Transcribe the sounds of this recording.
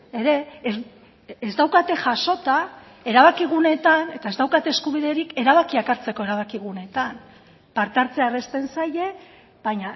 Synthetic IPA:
e̞ɾe̞ | zd̪awkat̪e̞ʝaʃo̞t̪a | e̞ɾaβakiɣ̞une̞t̪ane̞t̪ae̞zd̪awkat̪eskuβ̞iðeɾike̞ɾaβakiakaɾt͡se̞ko̞e̞ɾaβ̞akiɣ̞une̞t̪an | paɾt̪aɾt͡searest̪e̞nsaje̞ | baɲa

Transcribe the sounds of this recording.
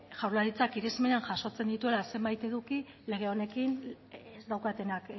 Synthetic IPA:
ʝawɾlaɾit͡sakiɾezmeneanʝaso̞t͡se̞nd̪it̪ue̞lase̞mbajt̪e̞ðuki | le̞ɣ̞e̞o̞ne̞kin | ezd̪awkat̪e̞nak

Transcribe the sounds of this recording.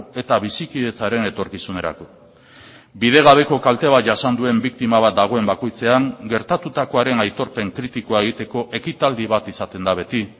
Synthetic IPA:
e̞t̪aβ̞isikiðe̞t͡saɾe̞ne̞t̪o̞ɾkisune̞ɾa̰ko̞ | bið̞e̞ɣ̞aβ̞e̞ko̞kalt̪e̞β̞at̪̚ʝasand̪ue̞mbikt̪imaβ̞at̪̚d̪aɣ̞o̞e̞mbako̞jt͡se̞aŋɡe̞ɾt̪at̪ut̪ako̞aɾe̞najt̪o̞ɾpe̞ŋkɾit̪ikoaeɣ̞it̪e̞ko̞ʔe̞kit̪ald̪iβat̪isat̪e̞nd̪aβe̞t̪i

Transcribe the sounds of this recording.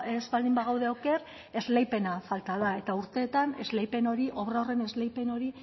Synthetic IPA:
ezβald̪imbaɣ̞awð̞e̞oke̞r | e̞zle̞jpe̞nafalt̪að̞ae̞t̪auɾt̪e̞ːt̪ane̞zle̞jpe̞no̞ɾiʔo̞βɾaore̞ne̞zlejpe̞no̞ɾi

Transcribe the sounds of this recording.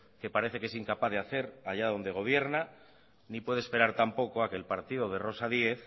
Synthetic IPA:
ke̞paɾe̞θekee̞siŋkapaðeaθe̞ɾaʝaðo̞nd̪e̞ɣ̞o̞β̞je̞ɾna | nipwe̞ð̞e̞spe̞ɾaɾt̪ampo̞ko̞ake̞ːlpaɾt̪iðo̞ð̞e̞ro̞saðie̞θ

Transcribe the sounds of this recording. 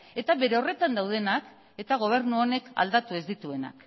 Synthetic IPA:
e̞t̪aβe̞ɾe̞o̞re̞t̪and̪awð̞e̞nak | e̞t̪aɣ̞o̞β̞e̞ɾnuone̞ka̰ld̪at̪ue̞zd̪it̪ue̞na̰k

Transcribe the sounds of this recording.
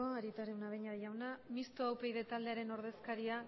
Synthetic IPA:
oaɾit̪aɾewnaβejɲaðʝawnamist̪oawpe̞jðe̞t̪ald̪e̞aɾe̞no̞ɾð̞e̞skaɾia

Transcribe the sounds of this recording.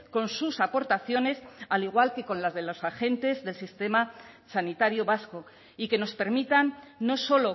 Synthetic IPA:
ko̞nsusapo̞ɾt̪aθjo̞ne̞saliɣ̞walke̞ko̞nlazðe̞lo̞saxe̞nt̪e̞zðe̞lsist̪e̞ma | sanit̪aɾjoβasko̞ | ike̞no̞spe̞ɾmit̪anːo̞so̞lo̞

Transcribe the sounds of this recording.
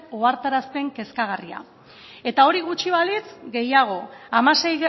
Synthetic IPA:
oaɾt̪aɾaspe̞ŋke̞skaɣ̞aria̰ | e̞t̪ao̞ɾiɣut͡ʃiβalit͡sɡe̞jaɣ̞o̞amase̞j

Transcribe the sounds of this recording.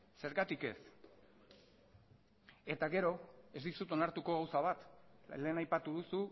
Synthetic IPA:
se̞ɾɣat̪ike̞̰s | e̞t̪aɣe̞ɾo̞e̞zd̪isut̪o̞naɾt̪uko̞ɣ̞awsaβ̞at̪le̞ːnajpat̪uðusu

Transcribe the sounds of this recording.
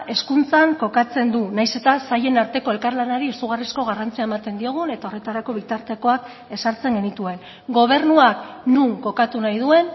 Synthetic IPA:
e̞skunt͡saŋko̞kat͡se̞nd̪unajse̞t̪asaje̞naɾt̪e̞ko̞e̞lkaɾlanaɾiesuɣ̞arisko̞ɣ̞arant͡siaemat̪end̪io̞ɣ̞une̞t̪ao̞re̞t̪aɾako̞β̞it̪aɾt̪e̞ko̞ak | e̞saɾt͡se̞ŋɡe̞nit̪ue̞n | ɡo̞β̞e̞rnuak | nuŋko̞kat̪unajð̞ue̞n

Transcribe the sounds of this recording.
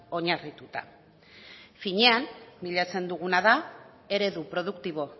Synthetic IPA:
o̞ɲarit̪ut̪a̰ | fiɲe̞anbiʎat͡se̞nd̪uɣ̞unaða | e̞ɾe̞ðupɾo̞ð̞ukt̪iβ̞o̞

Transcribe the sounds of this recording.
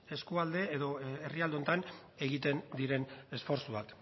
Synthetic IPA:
e̞skuald̪e̞eðo̞erialeo̞nt̪an | e̞ɣ̞it̪e̞nd̪iɾe̞ne̞sfo̞ɾsuβak

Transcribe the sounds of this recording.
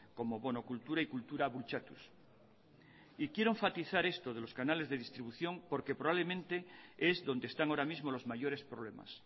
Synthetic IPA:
ko̞mo̞βo̞no̞kult̪uɾaikult̪uɾaβult͡ʃat̪ṵs | ikje̞ɾoẽɱfat̪iθaɾe̞st̪oð̞elo̞skanale̞zðeð̞ist̪ɾiβuθjoŋpo̞ɾke̞pɾoβaβlemẽnt̪e̞ezðo̞nd̪est̪aŋoɾamizmo̞lo̞zmaʝo̞ɾe̞spɾo̞βlema̰s

